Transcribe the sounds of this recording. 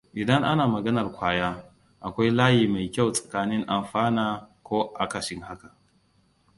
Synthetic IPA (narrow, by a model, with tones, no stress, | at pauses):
ʔɪ˨dɐ˦ŋʔa˦naː˨mɐ˨ɡɐ˦nɐ˨rkʷaː˦jaː˦ | ʔa˨kʷa˦jlaː˦jiː˨ma˨jkʲa˦˨wsʼɐ̥˨kaː˦nɪ˦ŋʔa˨mɸaː˦naː˨kʷoː˦ʔa˦kɐ˨ʃɪ˦ŋɦa˦ka˨ʔ